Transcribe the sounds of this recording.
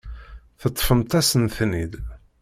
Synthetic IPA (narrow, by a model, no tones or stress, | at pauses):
θət̪ˤːfəmt̪æsənθnid̪